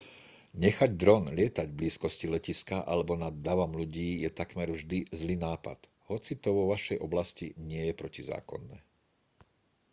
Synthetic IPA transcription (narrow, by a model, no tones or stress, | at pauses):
ɲɛxaɟd̪ɾɔnlɪɛt̪aɟbliːskɔscilɛciskaʔa̰lɛbɔnad̪ːaʋɔmluɟiːjɛt̪akmɛɾvʒd̪izliːnaːpa̰t̪ | hɔt͡sit̪ɔʋɔʋaʃɛjɔblascḭɲɪɛjɛpɾɔciza̰ːkɔ̰nːɛ̰ː